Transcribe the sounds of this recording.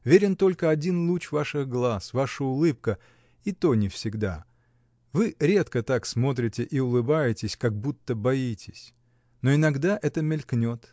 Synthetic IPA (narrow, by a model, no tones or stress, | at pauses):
vʲeɾʲɪnt̪o̞lʲkəɐdʲinlˠut͡ɕvaʂɨɣɡlˠasvaʂəʊlˠɨp̚kə | it̪o̞nʲɪfsʲɪɡd̪a̰ | vɨɾʲe̞t̪kət̪aksmo̞t̪ɾʲɪtʲɪʔiʊlˠɨbajɪtʲɪsʲkaɡ̚but̪ːəbɐitʲɪsʲ | noɪnɐɡd̪aʔɛt̪əmʲɪlʲknʲo̞t̪